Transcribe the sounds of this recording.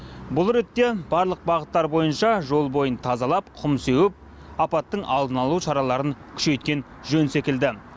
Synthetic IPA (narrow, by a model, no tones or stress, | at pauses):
bʊlˠɾe̞t̪ːe̞bɑɾlˠəq̚bɑʁət̪ːɑɾbo̞jənʃɑʒo̞lˠbo̞jənt̪ʰɑzɑlˠɑp̚qʰʊmse̞wɪp̚ | ɑpɑt̪ːəɴʔɑlˠd̪ənɑlˠuʃɑɾɑlˠɑɾəŋkʲʰʏ̥ʃe̞jt̪̚kʲe̞n | ʒɵnsekʲɪld̪ɪ